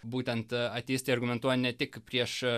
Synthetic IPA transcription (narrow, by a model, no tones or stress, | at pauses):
buːt̪ʲɛnt̪ɐt̪ʲeːsʲt̪ʲeɪɐɾɡʊmʲɛnt̪uɔjnʲɛt̪ʲɪkpʲɾʲiɛʃ